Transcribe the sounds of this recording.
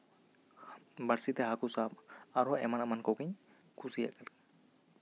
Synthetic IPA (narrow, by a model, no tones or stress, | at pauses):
baɽsit̪ɛɦakusab̚aɾɔɛmanamankɔwkiɲ | kʰusija̰kalk